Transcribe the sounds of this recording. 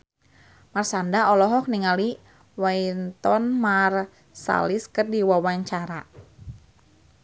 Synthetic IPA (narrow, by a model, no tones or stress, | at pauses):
marsandaɔlɔɦɔk̚niŋali | waint̪ɔnmar | sa̰liskɨrdiwawaɲt͡ʃaɾa